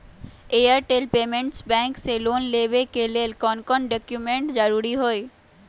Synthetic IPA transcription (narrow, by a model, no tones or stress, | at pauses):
ejəɾʈelpeːmẽɳʈsbɛ̃ŋkseloːnleʋekeleːlkɔːnkɔnɖɔkjumẽɳʈd͡ʒəɾuːɾiɦoːe